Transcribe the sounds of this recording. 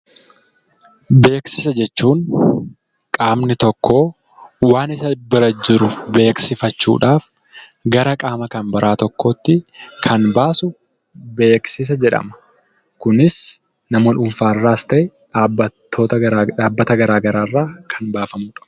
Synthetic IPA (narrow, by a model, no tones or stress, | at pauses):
be̞ːksɪsɐd͡ʒɛt͡ʃːuːŋ | kʼaːmnɪt̪ɔkːo̞ː | waːnɪsɐbɪɾɐd͡ʒɪɾʊbe̞ːksɪfɐt͡ʃːṵːᶑaːf | ɡɐɾɐkʼaːmɐkɐnbɐɾʔaːt̪ɔkːoːt̪ːɪkʰɐnbaːsʊ | be̞ːksɪs̬ɐd͡ʒɛᶑɐ̰mɐ̥ | kʊnɪs | nɐmonʊmfaːrːaːɪst̪ɐʔɛ | aːbɐt̪ʰːo̞ːt̪ɐaːbːɐt̪ɐɡɐɾaːɡɐɾaːrːaːkʰɐnbaːfɐmuːᶑɐ̥